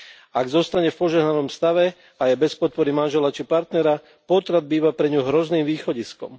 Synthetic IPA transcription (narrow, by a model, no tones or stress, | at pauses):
aɡzɔst̪aɲɛfpɔʒɛɦnanɔmst̪aʋɛ | ajɛbɛspɔt̪̚pɔɾimanʒɛlat͡ʃipaɾt̪nɛɾa | pɔt̪ɾad̪̚biːʋapɾɛɲuɦɾɔzniːmʋiːxɔɟiskɔ̰m